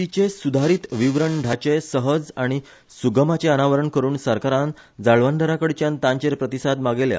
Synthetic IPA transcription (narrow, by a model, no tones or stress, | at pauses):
it͡ɕesud̪ʱaɾiːt̪ʋiʋɾəɳɖʱat͡ɕesəɦəd͡zaɽ̃i | suɡəmat͡ɕeənaʋəɾəɳkəɾuːnsəɾkaɾãn | d͡zaɭʋãnd̪ʱəɾakəɽt͡ɕjãnt̪ãɲt͡ɕeɾpɾət̪isad̪maɡelja̰